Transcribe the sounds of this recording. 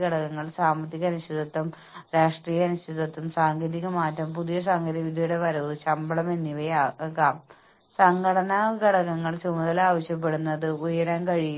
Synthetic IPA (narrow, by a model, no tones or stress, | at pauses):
ɐɽɐkːɐŋːɐɭsaːmɐt̪ːiɣɐnuɕiðɐt̪ːum | ɾaːʂʈriːjɐnuɕid̪ɐt̪ːumsaːŋɡeːðiɣɐmaːtːɐmpuðijɐs̬aːŋɡʱɐɾɐʋid̪ʱjɐjuɽeʋɐɾoːðɨt͡ɕɐmbɐɭɐmenːiʋɐjaːkaːm | sɐŋɡʱɐɽɐnɐɡʱɐɽɐkːɐŋːɐɭt͡ɕumɐðɐlaːʋɐɕjɐp̬ːe̞ɽunːɐðɨujɐɾaːnkɐɻij